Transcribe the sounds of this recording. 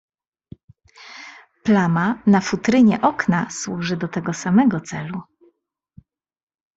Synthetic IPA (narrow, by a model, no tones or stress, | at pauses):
plamanafut̪ɾɘɲɛʔɔknaswuʐɘd̪ɔt̪ɛɡɔsamɛɡɔt̪sɛlu